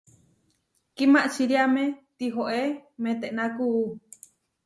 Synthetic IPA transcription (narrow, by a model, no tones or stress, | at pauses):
kimaʔt͡ʃiɾiamẽt̪iɦoʔemẽt̪eʔnãkuː